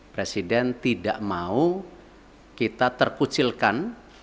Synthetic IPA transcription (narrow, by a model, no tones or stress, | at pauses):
pɾesidɛnt̪idaʔmau | kit̪at̪ərkut͡ʃilkan